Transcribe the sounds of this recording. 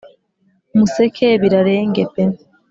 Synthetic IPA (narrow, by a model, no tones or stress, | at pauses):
musekʰeβiɾaɾeːŋɡepe